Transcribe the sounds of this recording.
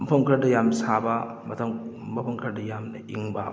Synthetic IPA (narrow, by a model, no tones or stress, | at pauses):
mɐpʰɐmkʰɐɾdɐjamsabɐ | mɐtʰɐŋ | mɐpʰɐmkʰɐɾdɐjamnɐiŋba̰